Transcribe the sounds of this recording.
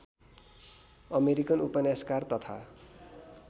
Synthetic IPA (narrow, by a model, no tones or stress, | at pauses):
ʌmeɾikʌnupʌnaskart̪ʌt̪ʰa̰